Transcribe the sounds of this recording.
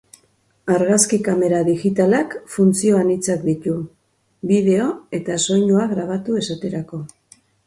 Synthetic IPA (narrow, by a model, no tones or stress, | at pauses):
aɾɣaskikame̞ɾaðiɣit̪alakfunt͡sio̞anit͡sakd̪it̪u | βiðe̞o̞e̞t̪aso̞jɲuaɣɾaβ̞at̪ue̞sat̪e̞ɾako̞